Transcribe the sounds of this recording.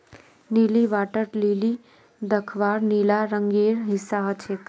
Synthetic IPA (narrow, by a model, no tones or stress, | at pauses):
niliʋaʈəʈlili | d̪əkʰʋaɾnilaɾəŋɡeɾɦɪsaɦət͡ʃʰek